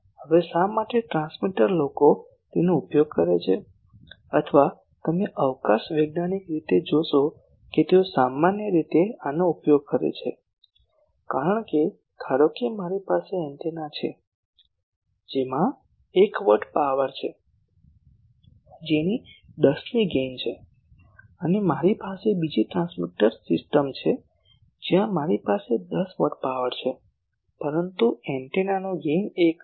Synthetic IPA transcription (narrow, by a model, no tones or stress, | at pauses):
ɦəʋesamaʈeʈɾãnsmiʈəɾloko | t̪enoupjoɡ̚kəɾet͡ʃʰe | ət̪ʰʋa | t̪əmeʔəʋkaʃʋeɡnanikɾit̪ed͡ʒoʃo | ket̪eosamanjəɾit̪eanoupjoɡ̚kəɾḛt͡ʃʰḛ | kaɾəɳke | kʰaɾokimaɾipaseɛnt̪enat͡ʃʰḛ | d͡ʒemã | ekʋəʈpaʋəɾt͡ʃʰe | d͡ʒenid̪əsniɡent͡ʃʰe | ənemaɾipasebid͡ʒiʈɾãnsmiʈəɾsɪsʈəmt͡ʃʰe | d͡ʒjãmaɾipased̪əsʋəʈ̚ʰpaʋəɾt͡ʃʰe | pəɾənt̪uɛɳʈenanoɡenek